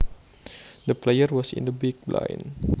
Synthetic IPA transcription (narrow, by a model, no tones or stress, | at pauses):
d̪əplejərwɔsɪ̰̃ndəbiɡ̚bla̰j̰n